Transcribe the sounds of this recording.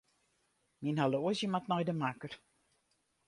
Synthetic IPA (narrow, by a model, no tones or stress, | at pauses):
minɦaloəsjəmatnɔjdəmakər